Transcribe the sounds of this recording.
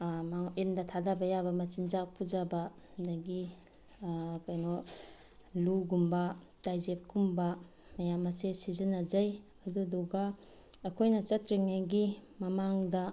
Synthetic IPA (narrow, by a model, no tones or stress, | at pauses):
maŋindɐtʰadabɐjabɐmɐt͡ʃind͡ʒak̚pʰud͡ʒabɐ | ndaɡi | kajnɔ | luɡumbɐ | tajzep̚kumbɐ | mɐjamɐsesizɐnɐd͡ʒɐj | ɐdudɔɡaː | kʰojnɐt͡ʃɐtɾiŋnajɡimɐmaŋdɐ